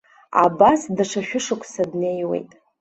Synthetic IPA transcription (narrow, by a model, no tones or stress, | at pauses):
a̰basdaʂaʃᶣʊʂakʷʰʼsadne̞jwe̞̰jtʼ